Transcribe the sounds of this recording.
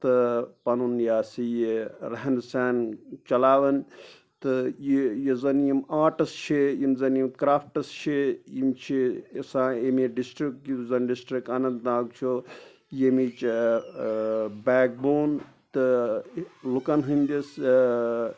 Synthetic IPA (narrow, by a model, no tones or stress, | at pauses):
t̪ɨpɐnunjaːsijiɾɐɦɐnsaːnt͡ʃɐlaːʋɐn | t̪ɨjijizɐnjimaːʈɐst͡ʃʰijimzɐnjimkɾaːpʰʈɐst͡ʃʰijimt͡ʃʰisãːemiɖisʈɾik̚ʈizɐnɖisʈɾik̚anɐnnãːɡt͡ʃʰo | jemit͡ʃ | baːk̚boːn | t̪ɨ | lukɐnɦɨnʲd̪ʲis